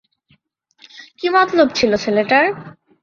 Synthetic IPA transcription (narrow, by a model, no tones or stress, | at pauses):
kimɔt̪lobt͡ɕʰiloseleʈaɾ